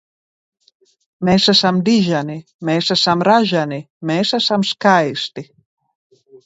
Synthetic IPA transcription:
mɛsəsamd̪iʒani | mɛsəsamɾaʒani | mɛsasamskaest̪i

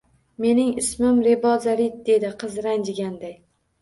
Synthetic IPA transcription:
me̞nɪŋɪsmɪmɾe̞bɒzaɾit̪̚d̪e̞d̪ɪqʰɨzɾand͡ʒɪɡʲand̪aj

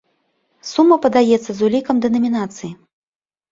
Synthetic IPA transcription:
sumːɐpɐd̪ajɛt̪sːɐzulʲikɐmd̪ɐnɐmʲinat̪sɨji

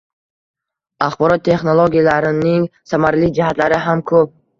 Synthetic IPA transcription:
aχbɔɾɔt̪ʰːe̞χnolˠoɡʲijalaɾɪniŋsamaɾlid͡ʒihat̪laɾiɦamkʰɵb̚

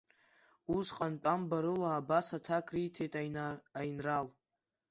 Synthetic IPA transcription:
usqʼantʷʼambaɾɨlaːbasatʰakʼrijtʰejtʼajnral

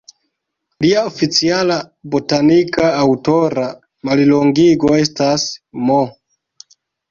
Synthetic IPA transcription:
liaofit͡siala | bo̞tanikʰaːwto̞ɾa | maliloŋɡiɡo̞e̞stasmo

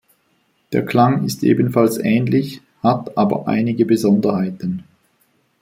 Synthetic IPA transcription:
d̥eːɐkʰl̥aŋɪstʔḛːbən̩falsʔɛːnlɪç | hatʔaːbɐ̰ʔa̰ɪnɪɡəbəzɔndɐhaɪtən

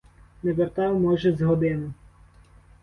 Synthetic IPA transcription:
nɛʋɛrt̪ɑwmɔʒɛzɦɔd̪ɪnʊ

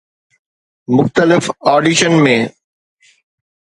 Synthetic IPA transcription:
mʊxt̪əlɪfɔːɖiʃənmẽː

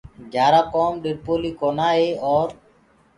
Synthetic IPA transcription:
d͡ʒaːɾakɔːmɖiɾpolikɔnaːeɔːɾ

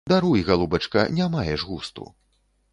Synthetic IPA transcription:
d̪aɾujiɣalˠubɐt͡ʂkɐ̰nʲamajɛʐɣust̪ṵ

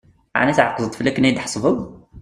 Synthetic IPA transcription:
ʕ̰næsʕɑqzət̪ˤfilæknæd̪ħsˤbəɡ

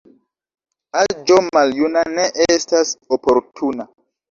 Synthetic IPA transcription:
ad͡ʒomaljunaneʔestasopoɾtʰuna

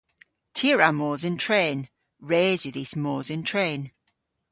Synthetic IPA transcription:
tʰiəɹamoːzɪ̃ntʰɹ̥ẽːn | ɹeːzwɪðismoːzɪ̃ntʰɹ̥ẽːn

